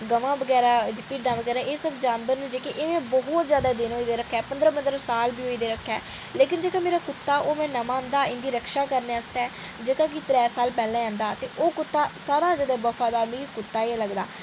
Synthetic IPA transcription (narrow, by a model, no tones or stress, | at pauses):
ɡəʋãːbəɡɛːɾaːd͡ʒɪpiːʈd̪ãːʋəɡɛːɾaːʔeːsəbd͡ʒaːnbəɾned͡ʒeːkeʔeːmɛ̃ːbəɦʊt̪zjaːd̪aːd̪ɪnɦoːiːd̪eːɾəkʰːɛːpənd̪ɾəbənd̪ɾəsaːlbiːoːiːd̪eːɾəkʰːɛː | leːk̬ɪnd͡ʒeːkãːmeːɾaːkʊt̪ːaːʔoːmɛ̃ːnəmãːnd̪aːɪnd̪iːɾəkʃaːkəɾneːast̪ɛː | d͡ʒeːkãːk̬it̪ɾɛːsaːlpɛːlɛ̃ːãːnd̪aːt̪eːʔoːkʊt̪ːaːsaːɾaːd͡ʒad̪ɛːbəfʰaːd̪aːɾmĩːkiːkʊt̪ːaːeləɡd̪a̰ː